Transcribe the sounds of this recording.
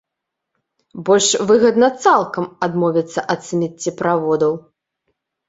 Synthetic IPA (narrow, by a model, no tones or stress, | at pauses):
bɔlʲʂvɨɣɐd̪nɐt̪salˠkɐmad̪mɔvʲit̪sːɐʔɐt̪sɨnʲɛt͡sʲːipɾavɔd̪ɐw